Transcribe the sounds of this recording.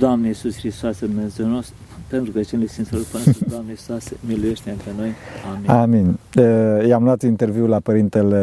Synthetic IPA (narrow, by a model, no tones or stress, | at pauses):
d̪oamnejisusxɾist̪oased̪umnazoɾnost̪ | pent̪ɾukət͡ʃenlesinsalopand̪amnejisasemilujeʃt̪ʲeɨnt̪ɾenojamiaminəjamluat̪unint̪eɾviwlapəɾint̪ele